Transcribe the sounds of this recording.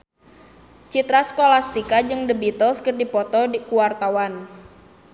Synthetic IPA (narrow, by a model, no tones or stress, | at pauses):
t͡ʃit̪ɾaskolast̪ikad͡ʒɨŋdəbit̪ɔskərdipɔt̪ɔkuwart̪awan